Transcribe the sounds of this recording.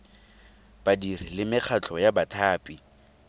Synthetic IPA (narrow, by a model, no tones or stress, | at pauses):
b̥adir̤ilɪmɪk͡xʰat͡ɬʰʼɔjabatʰaːpʼi